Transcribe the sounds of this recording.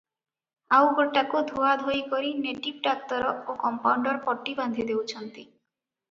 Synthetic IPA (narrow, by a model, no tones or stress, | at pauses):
awboʈakod̪ʱuad̪ʱojkoɾineʈib̚ɖak̚t̪ɔɾokɔmpawɳɖɔɾpɔʈːiband̪ʱid̪ewt͡ɕʰɔnt̪i